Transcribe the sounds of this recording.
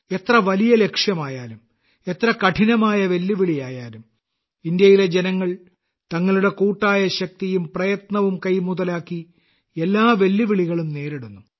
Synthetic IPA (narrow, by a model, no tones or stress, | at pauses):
e̞t̪rɐʋɐlijɐle̞kʂjɐmaːjaːlum | e̞t̪rɐkɐʈʰinɐmaːjɐʋe̞lːiʋiɭijaːjaːlum | ind̪jɐjile̞d͡ʑenɐŋːɐɭ | t̪ɐŋːɐɭuɽe̞kuːʈːaːjɐɕɐk̚t̪ijumprɐjɐt̪nɐʋumkɐjmuðɐlaːkːi | e̞lːaːʋe̞lːiʋiɭiɣɐɭumne̞ːɾiɽunːu